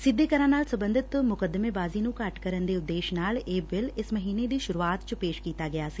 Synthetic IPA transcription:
sɪd̪ːeːkəɾãːnaːlsɐ̃mbə̃nd̪ʱɪt̪mʊkəd̪ːəmẽbaːzinũkaʈkəɾənd̪eʊd̪ːeːʃnaːleːbɪlɪsməɦiːned̪iːʃʊɾuaːt̪t͡ʃpeːʃkiːt̪aɡɐjaːsiː

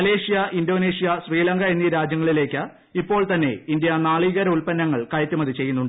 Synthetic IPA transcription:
ɐle̞ːʂijɐʔindo̞ːneːʂijɐɕriːlɐŋɡɐenːiɾaːd͡ʑjɐŋːɐɭile̞ːkʲːa | ipːo̞ːɭt̪ɐnːe̞̰ind̪jɐnaːɭiːɣɐɾɐulpɐnːɐŋːɐɭkɐjɐt̪ːumɐðit͡ɕe̞jːunːuɳɖɨ

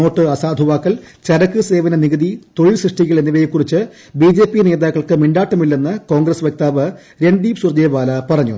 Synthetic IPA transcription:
o̞ːʈːɨɐsaːd̪ʱuʋaːkːɐl | t͡ɕɐɾɐkːɨse̞ːʋɐnɐniɣɐðit̪o̞ɻilsrɨʂʈiɣːɐɭenːiʋɐjikːurit͡ɕːɨ | biːd͡ʑe̞ːpːine̞ːd̪aːkːɐɭkɨmiɳɖaːʈːɐmilːenːɨko̞ːŋɡrɐsʋjek̚t̪aːʋɨ | ɾe̞ɳɖiːpsurd͡ʑeːbaːlɐpɐrɐɲːṵ

